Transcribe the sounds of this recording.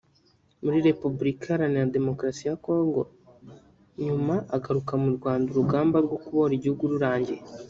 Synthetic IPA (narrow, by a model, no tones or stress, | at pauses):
muɾiɾe̞pubuɾikʰaɾanijade̞mo̞kɾasijako̞ːŋɡo̞ | ɲumaʔːɡaɾukamuɾɡwaːnduɾuɡaːmbaɾɡo̞kuβoɾiɟihuɡuɾuɾaːɲɟe̞